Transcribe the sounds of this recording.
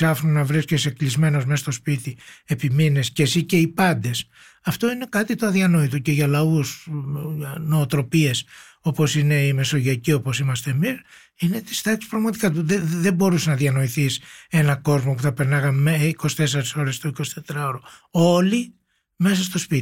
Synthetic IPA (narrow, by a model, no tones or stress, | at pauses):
sɐfɾonɐvɾisceseklizme̞no̞zmeɐst̪o̞spit̪iepimine̞scesice̞ipɐnd̪e̞s | ɐft̪o̞ine̞kɐt̪it̪oɐðiɐno̞it̪oce̞ʝɐlɐusʝno̞ːt̪ɾo̞pie̞s | o̞po̞sine̞ime̞so̞ʝɐcio̞po̞simɐst̪e̞mis | ine̞t̪i̥st̪ɐksi̥spɾɐɣmɐt̪i̥kɐt̪uðeðe̞bo̞ɾusenɐðiɐno̞iθise̞nɐko̞zmo̞puθɐpenɐɣɐmeiko̞si̥t̪e̞seɾiso̞ɾe̞st̪oiko̞si̥t̪e̞t̪ɾɐoɾoo̞li | me̞sɐst̪o̞spit̪i